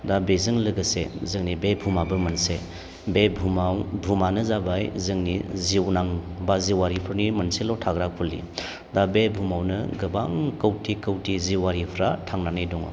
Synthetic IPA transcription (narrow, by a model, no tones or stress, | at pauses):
dabezɯŋlɯɡəsḛzɯŋnibebʱumabɯmɐnse | bebʱumawbʱumanɯzabajzɯŋniziwnaŋbaziwaɾipʰɯɾnimɐnselɔtʰaɡɾakʰulːḭ | dabebʱumawnɯɡɐba̰ŋkəwtʰikəwtiziwaɾipʰɾatʰaŋnanajdɔŋɔ̰